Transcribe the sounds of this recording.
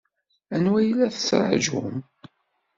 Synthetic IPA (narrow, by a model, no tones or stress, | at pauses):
ænwæjlːæθə̥t͡sːɾˤə̰ʕʒʊ̰m